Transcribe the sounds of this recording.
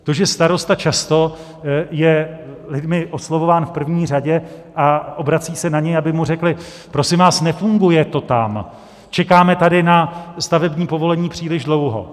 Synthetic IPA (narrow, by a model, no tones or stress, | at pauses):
t̪oʒɛst̪aɾo̞st̪at͡ʃast̪o̞ | jɛlɪdmɪʔoslovo̞vaːnfpr̩vɲiːraɟɛʔaʔo̞bɾat͡siːsɛnaɲɛjabɪmurɛklɪ | pɾo̞sɪmvaːsnɛfuŋɡujɛt̪o̞t̪am | t͡ʃɛkaːmɛt̪adɪnast̪avɛbɲiːpo̞vo̞lɛɲiːpr̝̥iːlɪʒdlo̞wɦo̞̰